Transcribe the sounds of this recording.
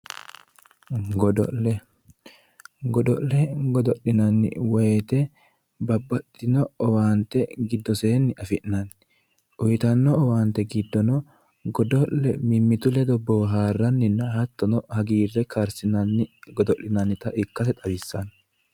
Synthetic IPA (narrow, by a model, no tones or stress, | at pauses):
ɡɔd̪ɔ̰lːɛ | ɡɔd̪ɔ̰ʔlɛɡɔd̪ɔʔɪnɐnːɪ̰wɔjt̪ɛ | bɐbːɐt̪ʼːɪnɔɔwaːnt̪ːɛɡɪd̪ːɔse̞ːnːɪʔɐfɪʔnɐn | ʔʊjt̪ɐnːɔɔwaːnt̪ːɛɡɪd̪ːɔnɔ | ɡɔd̪ɔʔːɛmɪmːɪt̪ʊlɛd̪ɔboːɦaːrːɐnːɪnːɐɦɐt̪ːɔnɔhɐɡiːrːɛkʰaɾsɪnɐnːɪɡɔd̪ɔʔːɪnɐnːɪt̪ɐʔɪkːɐsɛt̪ʼɐbɪsːɐn